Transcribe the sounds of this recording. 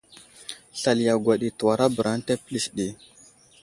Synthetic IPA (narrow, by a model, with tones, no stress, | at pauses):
ɬa˨lja˨ɡʷa˨ɗi˨tu˨wa˨ɾa˦bə˨ɾa˦n˦ta˦pli˨sɗi˨